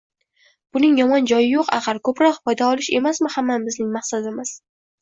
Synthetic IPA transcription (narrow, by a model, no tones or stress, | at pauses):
b̥ʊnɪŋjɒmɒnd͡ʒɒjɪjoqɑ̰qɑɾkʰɵpɾɒq̚pʰɒjd̪aɒlˠɪʃe̞masmɪhamːanbɪznɪŋmaχsad̪ɪmɪz̥